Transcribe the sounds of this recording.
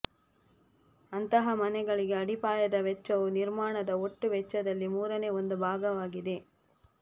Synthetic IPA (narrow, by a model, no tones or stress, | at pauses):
ɐnt̪ɐɦɐmɐnɛɡɐɭiɡe̞ɐɽipaːjɐd̪ɐʋɛt͡ʃːɐʋuniɾmaːɳɐd̪ɐoʈːuʋɛt͡ʃːɐd̪ɐlːimuːɾɐneːo̞nd̪ubʱaːɡɐʋaːɡid̪e̞